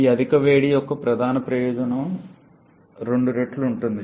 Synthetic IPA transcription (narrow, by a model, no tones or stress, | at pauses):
iɐd̪ʱikɐʋeːɽijokːɐpɾɐd̪ʱaːnɐpɾɐjoːd͡ʒɐnɐm | ɾe̞ɳɖuɾeːʈːluɳʈund̪i